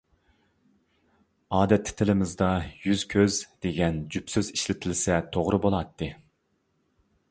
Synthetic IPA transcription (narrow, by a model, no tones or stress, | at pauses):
ɑːd̪ɛt̪ːɪ̥t̪ʰɪlɪmɪzd̪ɑjyzkʲʰøzd̪̥eɡʲɛnd͡ʒypsøziʃlɪt̪ʰɪlsɛt̪ʰoʁɾɨbolˠɑt̪ʰːɨ